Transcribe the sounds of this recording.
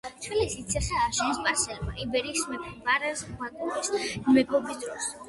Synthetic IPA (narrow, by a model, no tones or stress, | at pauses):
t͡ʃʰwilisit̪sʰɛχɛːɾʃɛnispʼaɾsɛlma̰ʔibɛɾiːsmɛpʰmaɾɛsat̪ʼɔbismɛɡʰʼɔbisd̪ɾɔs